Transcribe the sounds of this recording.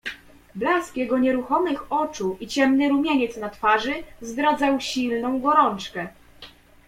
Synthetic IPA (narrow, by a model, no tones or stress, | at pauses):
blaskjɛɡɔɲɛɾuxɔmɘxɔt͡ʂuʔit͡ɕɛmnɘɾumʲjeɲɛt̪snat̪faʐɘzd̪ɾad̪zawɕilnɔ̃w̃ɡɔɾɔnt͡ʂkɛ